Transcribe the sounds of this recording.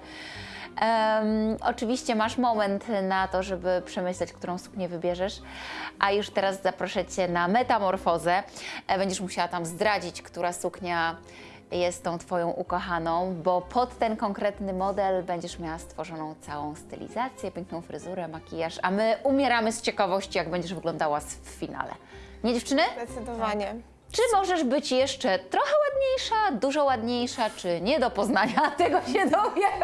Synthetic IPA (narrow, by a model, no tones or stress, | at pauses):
ʔɔ̰t͡ʂɘvʲiɕt͡ɕɛmaʂmɔmɛnt̪nat̪ɔʐɛbɘpʂɛmɘɕlɛt͡ɕkt̪uɾɔ̃w̃su̥kɲɛvɘbʲjɛʐɛʂʔajuʂt̪ɛɾazzapɾɔʂɛt͡ɕːɛnamɛt̪amɔɾfɔzɛbɛɲd͡ʑɛʂmuɕawat̪amzd̪ɾad͡ʑit͡ɕkt̪uɾasukɲa | jɛst̪t̪ːɔ̃w̃t̪fɔjɔ̃w̃ʔukɔxanɔ̃w̃bɔpʰɔt̪ːɛnkɔŋkɾɛt̪nɘmɔd̪ɛlbɛɲd͡ʑɛʂmʲjawast̪fɔʐɔnɔ̃w̃t̪sawɔ̃w̃st̪ɛ̰lʲḭzat̪sʲjɛpʲjɛ̃ŋknɔ̃w̃fɾɘ̰zuɾɛmakʲijaʂa̰mɘʔumʲjɛɾamɘst͡ɕɛkavɔɕt͡ɕijaɡbɛɲd͡ʑɛʐvɘɡlɔnd̪awasffʲina̰lɛ̰ɲɛd͡ʑeft͡ʂɘnɘd̪d̪ɔvaɲɛ | t͡ʂɘmɔʐɛʐbɘt͡ɕjɛʂt͡ʂɛt̪ɾɔxɛwad̪ɲejʂad̪uʐɔwad̪ɲejʂat͡ʂɘɲɛd̪ɔpɔznaɲat̪ɛɡɔɕɛd̪ɔjɛ